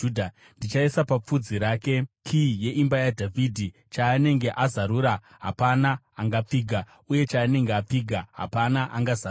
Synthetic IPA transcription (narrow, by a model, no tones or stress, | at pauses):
dʱa | ndit͡ʃaesapap͡fud͡ziɾaːke̞kʰije̞ʔimbajadʱavʱidʱi | t͡ʃaːne̞ŋɡe̞ʔazaɾuɾa | ɦa̰panaːŋɡap͡fiːɡʱa | uje̞t͡ʃaːne̞ŋɡeap͡fiːɡʱaɦa̰panaʔaŋɡaza